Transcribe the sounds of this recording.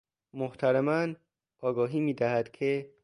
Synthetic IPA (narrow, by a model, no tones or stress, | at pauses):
moht̪ʰæɾemæn | ɒːɡɒːɦiːmiːd̪æhæd̪̥kʰe